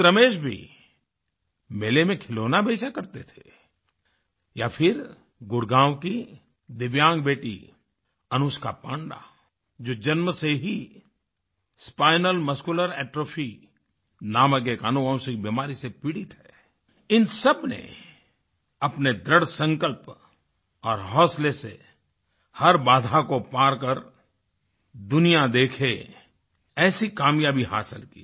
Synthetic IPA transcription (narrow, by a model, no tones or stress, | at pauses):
ɾɐmeːʃbʱḭ | meːlemẽkʰɪloːnabʱeːt͡ʃakɐɾt̪et̪ʰe̥ | japʰɪɾ | ɡʊɾɡãːwki | d̪ɪʋjãːŋɡbeːʈḭ | ɐnʊːskapãːɳɖa̰ | d͡ʒoːd͡ʒɐnməseɦi | spaːɪnəlmɐskʊləɾɛːʈɾoːpʰi | naːmək̬ekanuə̃wsɪkbimaːɾisepɪɽɪt̪ɦɛː | ɪnsɐbnḛ | ɐpned̪ɾəɽsə̃ŋkəlp | ɔːɾɦɔːslesḛ | hɐɾbaːd̪ʱakopaːɾkəɾ | d̪ʊnijad̪eːkʰe | ɛːsikaːmjaːbiɦa̰ːsɪlkḭː